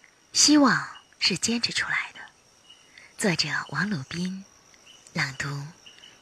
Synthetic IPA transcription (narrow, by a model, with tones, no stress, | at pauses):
ɕi˥wɑ˥˧ŋ | ʂɻ̩˥˩t͡ɕjɛ˥nʈ͡ʂʰɻ̩˧˥ʈ͡ʂʰu˥la˧˥ɪd̪ə˧ | t͡swa˥˩ɪʈ͡ʂɤ˨˩wʔɑ˧˥ŋlɔ˨˩pi˥n | la˨˩ŋt̪u˧˥